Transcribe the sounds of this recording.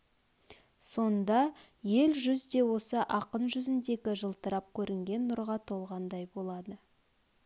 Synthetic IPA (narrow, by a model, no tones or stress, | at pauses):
so̞nd̪ɑ | je̞lʒʏzd̪e̞wo̞səʔɑqənʒʏzɪnd̪e̞kʲɪʒəlˠt̪əɾɑp̚kʲʰɵɾʔɪŋɡʲe̞nːʊɾʁɑt̪ʰo̞lˠʁɑnd̪ɑjbo̞lˠɑd̪ə